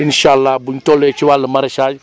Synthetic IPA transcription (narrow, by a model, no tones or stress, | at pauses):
inʃalːaːbuntolːet͡ʃiwalːəmaɾeʃad͡ʒ